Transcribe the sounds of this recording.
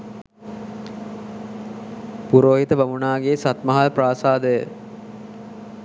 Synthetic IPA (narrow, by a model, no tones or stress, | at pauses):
puɾoːɦit̪əbamunaːɡeːsat̪məɦalpraːsaːd̪əjə